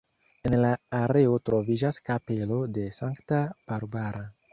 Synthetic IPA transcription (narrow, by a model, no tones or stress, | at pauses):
e̞nlaːɾe̞o̞tɾo̞vid͡ʒaskape̞lo̞de̞saŋktab̥aɾbaɾa